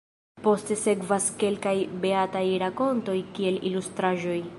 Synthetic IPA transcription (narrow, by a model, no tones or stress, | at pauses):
po̞ste̞se̞kvaske̞lkajbe̞atajɾako̞nto̞jkie̞lilustɾaʒo̞j